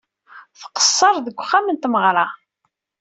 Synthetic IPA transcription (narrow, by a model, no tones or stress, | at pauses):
θqə̥sˤːɑɾˤðəɡʷχːamənt̪məʁɾˤɑ